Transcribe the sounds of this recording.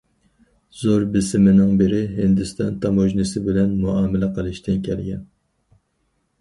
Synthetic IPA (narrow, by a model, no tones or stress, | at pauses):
z̥oɾbɪsɪmɪnɪŋbɪɾɪɦɪnd̪ɪst̪ɑnt̪ʰɑmoʒnɨsɪbɪlɛnmuɑːmɪlɛqʰəlˠɨʃt̪ʰɪnkʲʰɛlɡʲɛn